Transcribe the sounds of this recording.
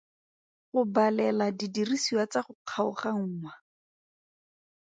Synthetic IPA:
χʊbalɛladidirisiwat͡saχʊq͡χʰaʊ̰χaŋ̩ŋwa

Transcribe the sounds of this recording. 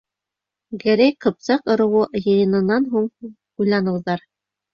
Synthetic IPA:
ɡæ̆ɾæjqɤ̆p̚sɑqŏɾɤ̆wɤjɤ̆jɤ̆nɤ̆nːɑnɦuɴ | ujlˠɑnɤ̆wðɑɾ

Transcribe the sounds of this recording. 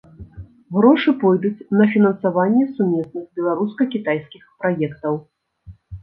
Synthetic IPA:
ɣɾɔʂɨpɔjd̪ut͡sʲnɐfʲinɐnsavanʲːɛsumʲɛsnɨɣbʲɛlˠaɾuskɐkʲit̪ajskʲixpɾajɛkt̪ɐw

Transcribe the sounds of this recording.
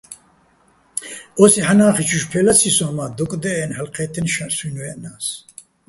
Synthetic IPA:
ɔsiħanaːχit͡ʃʰuʃpʰɛlasʰisɔmad̪ukʼd̪ɛɛnhəlqʰɛt̪ʰinʃasunvɛnaːs

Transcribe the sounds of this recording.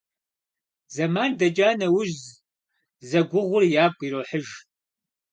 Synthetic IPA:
zɐmaːndɐd͡ʒʼaːnɐwʊʒz | zɐɡʷʊʁʷʊrjaːɡʷʼiɾoːħəʒ

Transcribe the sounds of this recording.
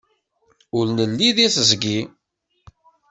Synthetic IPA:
ʊɾnəlːiðisəzɡi

